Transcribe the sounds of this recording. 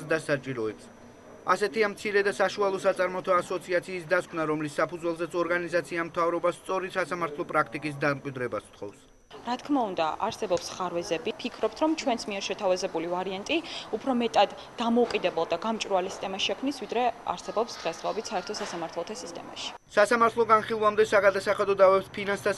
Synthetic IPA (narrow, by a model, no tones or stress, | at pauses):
d̪asat͡ʃʼiɾɔɛps | asɛt̪ʰiamt̪sʰiɾɛd̪asaʃualˠɔsat̪sʼaɾmɔt̪ʰaːsɔt̪sʰiat̪sʰiːsd̪askʰmnaɾɔmlisːapʰud̪zwɛlˠzɛt̪sʰɔɾɡanizat̪sʰiamt̪ʰavɾɔbast̪sʼɔɾisasamaɾt̪ʰlˠɔpʼɾakʰt̪ʼikʼis̬d̪amkʼwid̪ɾɛbast̪ʰχɔ̰fs | ɾat̪ʰkʰmaund̪a̰ʔa̰ɾsɛbɔpsχaɾvɛzɛbipʰikʰɾɔp̚t̪ʰɾɔmt͡ʃʰwɛnsmiɛɾʃɛt̪ʰavazɛbulivaɾiant̪ʼiupʰɾɔmɛt̪ʼad̪ːamɔukʼid̪ɛbɛlˠd̪aɡamt͡ʃʼɾualisi̥t̪ʼɛmaʃɛkʰmnisvid̪ɾɛa̰ɾsɛbɔpsd̪̥ʁɛsd̪ʁaɔbit̪saɛɾt̪ʰɔsasamaɾt̪ʰlˠɔt̪ʰasist̪ʼɛ̰ma̰ʃi̥ | sasamaɾt̪ʰlˠɔɡanχilˠlˠamd̪ɛsaɡad̪asaχɛd̪ɔd̪avɛpspʰinanst̪ʰa